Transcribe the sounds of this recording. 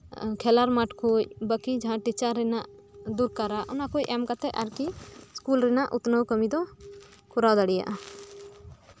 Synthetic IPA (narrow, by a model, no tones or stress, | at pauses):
kʰɛlaɾmaʈkʰuc̚bəkid͡ʒaɦãʈit͡ʃaɾːɛnaʔ | d̪uɾkaɾaʔɔnakucˀɛmkat̪ɛʔa̰ɾkiskulɾɛnaʔṵt̪nəwkəmid̪ɔ | kʰuɾad̪aɽija̰ʔa